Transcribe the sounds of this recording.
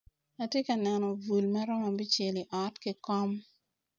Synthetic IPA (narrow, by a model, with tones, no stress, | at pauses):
a˨tje˦ka˨nɛ˨nɔ˨vu˨lma˦ɾɔ˦ma˨bi˦t͡ʃe˨li˨ʔɔ˨˦tkɪ˦kɔ˦m